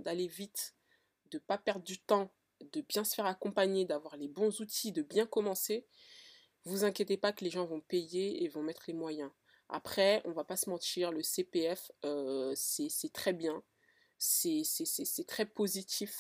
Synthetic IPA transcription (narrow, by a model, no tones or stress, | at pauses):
d̪alevit̪ | d̪əpapɛʁd̪ʁd̪yt̪ɑ̃ | d̪əbjɛ̃sə̥fɛʁakɔ̃paɲed̪avwaʁlebɔ̃zut̪ʰid̪əbjɛ̃kɔmɑ̃se | vuzɛ̃kʲjet̪epakəleʒɑ̃vɔ̃pejeːvɔ̃mɛt̪χəlemwajɛ̃ | a̰pχɛɔ̰̃vapasəmɑ̃t̪iʁləsepeɛføsɛsɛt̪χɛbjɛ̃ | sɛsɛsɛsɛt̪χɛpozit̪ʰif